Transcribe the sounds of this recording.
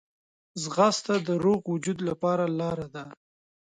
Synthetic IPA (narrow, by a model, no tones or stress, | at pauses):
zɣast̪ad̪əɾoɣwʊd͡ʒud̪lapɑɾalɑɾad̪a